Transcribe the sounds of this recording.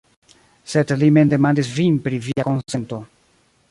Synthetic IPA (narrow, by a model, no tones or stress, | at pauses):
sed̪limend̪emand̪isvinpɾiviakonsent̪o